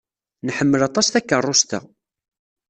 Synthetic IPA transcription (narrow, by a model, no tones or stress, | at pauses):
nħəmːəlɑt̪ˤɑsθækːərˤːost̪ə̰